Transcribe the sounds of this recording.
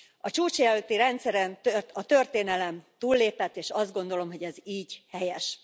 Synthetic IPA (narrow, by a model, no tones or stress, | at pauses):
ɒt͡ʃuːt͡ʃjɛlølt̪iɾɛnt̪sɛɾɛmt̪øɒt̪ø̞rt̪eːnɛlɛmt̪uːlːeːpɛt̪ːeːʃɒzd̪ɡo̞nd̪olo̞mɦo̞ɟɛziːɟhɛjɛʃ